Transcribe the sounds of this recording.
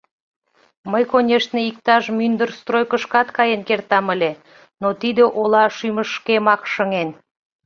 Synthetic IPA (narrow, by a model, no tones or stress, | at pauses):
məjkonʲeʃt̪neik̚t̪ɑʒmynd̪ərst̪rojkəʃkɑt̪kɑjenkert̪ɑməlʲe | not̪id̪ĕʔolɑʃyməʃkemɑkʃəŋen